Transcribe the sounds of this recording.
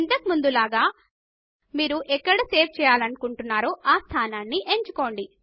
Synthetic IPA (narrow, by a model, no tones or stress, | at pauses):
int̪ɐkimund̪ulaːɡaː | miːɾuʔɛkːɐɽɐse̞ːp̚ʰt͡ʃɛːjaːlɐnukuɳʈunːaːɾoːʔaːst̪ʰaːnaːnːiʔeɲt͡ʃuko̞ːɳɖi